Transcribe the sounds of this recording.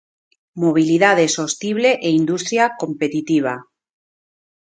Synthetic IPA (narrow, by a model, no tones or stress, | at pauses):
moβ̞iliðað̞esost̪iβ̞leʔeind̪ust̪ɾjakompet̪it̪iβ̞a